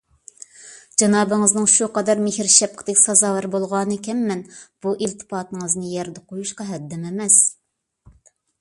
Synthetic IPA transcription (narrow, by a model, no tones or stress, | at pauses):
d͡ʒɑnɑːbɨŋɨznɨŋʃuqɑd̪ɑɾmɪhɪɾʃɛp̚qʰə̥d̪ɛkʲsɑzɑːwɛɾbolˠʁɑnɨkʲʰɛmːɛnb̥uʔelt̪ʰɨ̥pɑːt̪ŋəznɨjɛɾd̪ɛqʰojuʃqɑɦɛd̪ːɛmemɛs